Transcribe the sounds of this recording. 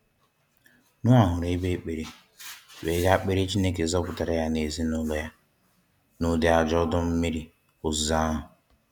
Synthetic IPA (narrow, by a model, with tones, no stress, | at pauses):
nʊ˦a˨ɦʊ˨ɾe˦be˦˨k͡pe˨ɾe˨ | we˨˦ɡa˦k͡pe˦ɾe˦t͡ʃi˦ne˦ke˨zɔ˦pʊ˨ta˨ɾa˦ja˦ne˨zi˦nʊ˦lɔ˦ja˦ | nʊ˦dɪ˨a˨d͡ʒɔ˦dʊ˦m̩˦mi˦ɾi˨ | ʊ˨zza˦ɦʊ˨